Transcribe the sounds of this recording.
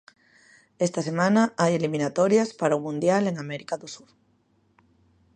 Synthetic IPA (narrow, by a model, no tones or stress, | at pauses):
est̪asemãnaajelimĩnat̪ɔɾjaspaɾaumũnd̪jaleŋamɛɾikaðosuɾ